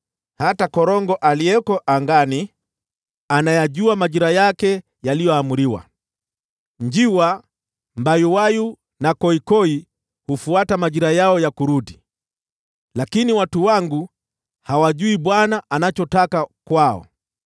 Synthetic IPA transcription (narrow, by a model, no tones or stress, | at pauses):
hatakɔɾɔŋɡɔʔaliɛkɔʔaŋɡani | anajaʄuamaʄiɾajakɛ | jalijɔamuɾiwa̰ | ɲd͡ʒiwa | mbajuwaju | nakɔikɔi | hufuatamaʄiɾajaɔjakuɾuɗi | lakiniwatuwaŋɡu | hawaʄuiɓwanaʔanat͡ʃɔtakakwaɔ̰